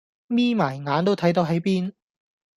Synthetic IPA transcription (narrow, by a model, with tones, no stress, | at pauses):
miː˥maː˨˩jŋaː˨˥nt̪o˥wt̪ʰɐ˨˥jt̪o˨˧wɦɐ˨˥jpiː˥n